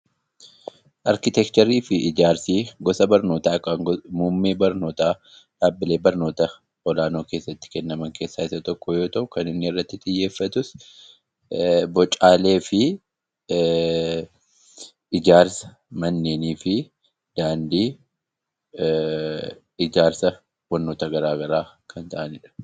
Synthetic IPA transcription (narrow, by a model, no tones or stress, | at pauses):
ʔɐɾkɪt̪ɛkt̪ɐɾiːfɪʔɪd͡ʒaːɾsiːɡɔsɐbɐɾno̞ːt̪aːkʼaŋmuːmːeːbɐɾno̞ːt̪aː | ᶑaːbːɪle̞ːbɐɾno̞ːt̪ɐ | ɔlaːno̞ːkeːsːɐt̪ːɪ̥kɛnːɐmɐŋke̞ːsːaːɪsɐt̪ɔkːɔjo̞ːt̪ɐʔʊkɐnɪnːɪɪrːɐt̪ːɪt̪ʼɪjːe̞ːfːɐt̪ʊs | bɔt͡ʃʼːaːle̞ːfɪ | ɪd͡ʒaːɾsɐ̥ | mɐnːeːniːfɪ | d̪̥aːnd̪iː | ɪd͡ʒaːɾsɐ | bɐɾnːo̞ːt̪ɐɡɐɾaːɡɐɾaːkʰɐnt̪ɐʔɐnɪᶑɐ̥